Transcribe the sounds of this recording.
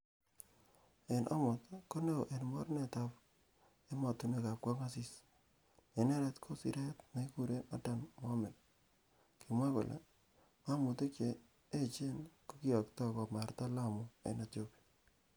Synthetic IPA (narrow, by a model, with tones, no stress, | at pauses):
e˨nʔɔ̰˦mʊ˨tko˦ne˦o˨ʔe˨nmɔ˦ɾne˨ta˦p | e˦mɔ˨tu˦ne˦˨ka˨p̚kɔ˦ŋa˦si˦s | e˨ne˦ɾe˦tkʰo˦sḭ˦ɾe˦tna˨i˦ku˦ɾe˦na˦ta˨nmɔ˦mɪ˨l | ki˨mwa˦kʊ̰˨lʔḛ˨ | a˦mʊ˨te˦kt͡ʃe˨ | e˦t͡ʃe˦nko˦ki˦ɔ˨ktɔ˦kɔ˨ma˨rta˦la˦mʊ˨ḛ˨ne˨tjo˦piḁ